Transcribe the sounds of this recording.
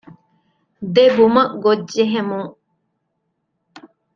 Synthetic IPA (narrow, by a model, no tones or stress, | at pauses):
d̪ebumɐʔɡod͡ʒːeɦemũ